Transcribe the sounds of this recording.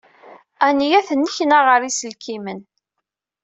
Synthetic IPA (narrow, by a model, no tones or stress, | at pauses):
ænijæθənːiçnaʁəɾisəlkimən